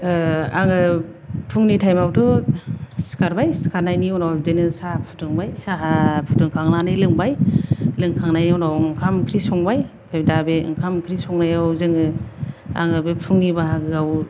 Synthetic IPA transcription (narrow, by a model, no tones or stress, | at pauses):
aŋɯpʰuŋnitʰajmawtɔ | si̥kaɾbajsi̥kʰaɾnajniɔwnawzɯnɯsapʰu̥tʰɯŋbajsaɦapʰutɯŋkʰaŋnanɯjlɯŋbajlɯŋkʰaŋnajawnawɯŋkʰamkʰɾisɔŋbaj | pʰeb̚dabeɯ̰ŋkʰamkʰɾisɔŋnajawzɯŋɯ | a̰ŋɯbepʰuŋnibaɦaɡɯɡaw